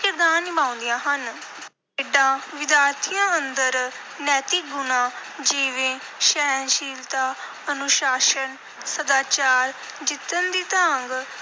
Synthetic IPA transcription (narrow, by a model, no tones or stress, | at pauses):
kɪɾd̪aːnːɪbãːʊ̃nd̪ijãːɦən | eːɖãːʋɪd̪jaːɾt̪ʰijãːənd̪əɾ | nɛːt̪iːɡʊnãːd͡ʒiːʋẽː | ʃɛːnʃiːlt̪aː | ənʊʃaːʃən | səd̪aːt͡ʃaːɾ | d͡ʒɪt̪ːənd̪iːt̪aŋɡ